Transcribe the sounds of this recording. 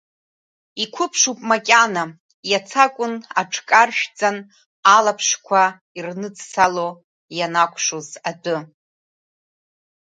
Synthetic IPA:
ikʷʰʊpʰʂupʼmakʲʼana | jat͡sʰakʷʼʊna̰ʈ͡ʂʰkʼarʃᶣt͡sʼan | alapʰʂkʷʰa | irnɨd͡zsalo | janakʷʰʼʂozadʼʊ

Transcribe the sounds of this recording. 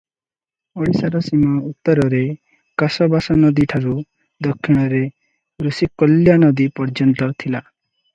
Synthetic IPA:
ɔɽisaɾɔsimaut̪ːɔɾɔɾe | kasɔbasɔnɔd̪iʈʰaɾu | d̪ɔkʰːiɽ̃ɔɾe | ɾusikːɔljanɔd̪ipɔɾd͡ʒɔnt̪ɔt̪ʰila

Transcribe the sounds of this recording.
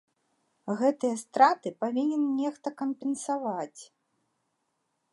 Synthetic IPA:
ɣɛt̪ɨjɐst̪ɾat̪ɨpavʲinʲɛnnʲɛxt̪ɐkɐmpʲɛnsavat͡sʲ

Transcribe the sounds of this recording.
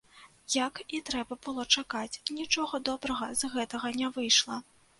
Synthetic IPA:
jɐkit̪ɾɛbɐbɨlˠɔt͡ʂakat͡sʲnʲit͡ʂɔɣɐd̪ɔbɾɐɣɐzɣɛt̪ɐɣɐnʲɛvɨjʂlˠɐ

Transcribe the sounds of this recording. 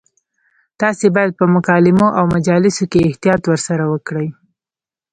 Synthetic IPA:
t̪ɑsebɑjad̪̚pəmʊkɑlɪmoʔawmad͡ʒɑlɪsokeɪht̪ijɑt̪wəɾsaɾawəkɽəj

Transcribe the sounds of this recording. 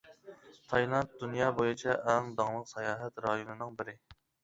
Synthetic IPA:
t̪ʰɑjlˠɑnt̪̚d̪unjɑːbojut͡ʃʰɛʔɛŋd̪ɑŋlˠəqsɛjɑːɦɛt̪ɾɑjonɨnɨŋbɪɾɪ

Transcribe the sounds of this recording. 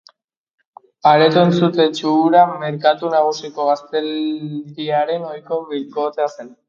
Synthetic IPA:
aɾe̞t̪uent͡sut̪e̞t͡ʃuːɾame̞ɾkat̪unaɣ̞usiko̞ɣ̞ast̪e̞ld̪iaɾe̞no̞jko̞βilko̞t̪e̞ase̞n

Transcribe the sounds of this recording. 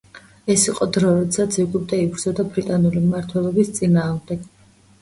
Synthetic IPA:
ɛsiqʼɔd̪ɾɔɾɛt̪sat̪sʰiɡub̚d̪aibɾdzɔd̪abɾit̪ʼanulimmaɾt̪ʰwɛlˠɔbist̪sʼinaːʁmd̪ɛɡ̥

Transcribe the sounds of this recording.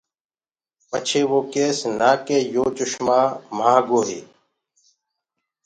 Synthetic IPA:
pət͡ʃʰeːʋoːkeːsnaːkeːjoːt͡ʃʊʃmaːmãːɡoːɦḛː

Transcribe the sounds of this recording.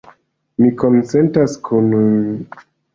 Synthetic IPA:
mikonse̞ntaskʰun

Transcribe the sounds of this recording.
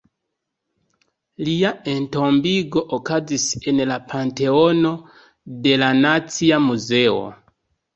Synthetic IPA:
liaentombiɡo̞ʔokazisenlapʰante̞ono̞ | de̞lanat͡siamuze̞o̰

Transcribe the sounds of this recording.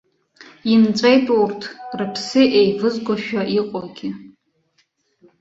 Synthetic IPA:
imt͡sʷʼejtʼowrtʰrɨpʰsɨʔejvɨzɡʷaʃᶣaʔiqʷʼɔlɡʲɪ

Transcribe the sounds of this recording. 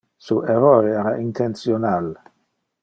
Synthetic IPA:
suʔeɾɔjeɾaʔint̪ʰent̪sjonal

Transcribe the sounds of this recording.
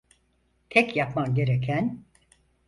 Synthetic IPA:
t̪ʰɛcjapmamɟe̞ɾecʰæn

